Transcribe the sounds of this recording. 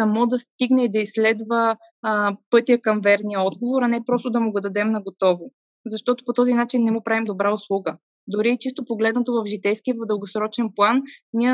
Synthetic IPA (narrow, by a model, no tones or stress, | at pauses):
sɐmɔd̪ɐst̪iɡnɛid̪ɐislɛd̪vəː | pɤt̪ijəkɐmvɛɾnijəɔd̪ɡovoɾɐnɛpɾɔst̪od̪ɐmʊɡod̪ɐd̪ɛmnɐɡot̪ɔvo | zɐʃt̪ɔt̪o̥pot̪ɔzinat͡ʃinːɛmupɾavimd̪obɾaʊslˠuɡə | d̪ʊɾiːt͡ʃist̪opoɡlɛd̪nət̪ovɐfʒit̪ɛjskiəvɐvd̪əlˠɡosɾɔt͡ʃɛnplˠanniə